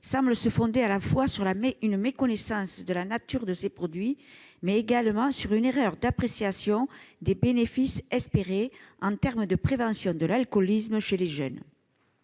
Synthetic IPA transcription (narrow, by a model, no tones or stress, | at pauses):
sɑ̃bləsəfɔ̃d̪ealafwasyʁlameynmekɔnesɑ̃sd̪əlanat̪yʁd̪əsepχɔd̪ɥimɛeɡalmɑ̃syʁyneʁœʁd̪apχesjasjɔ̃d̪ebenefisɛspeʁeɑ̃t̪ɛʁməd̪əpχevɑ̃sjɔ̃d̪əlalkɔlisməʃeleʒœ̰n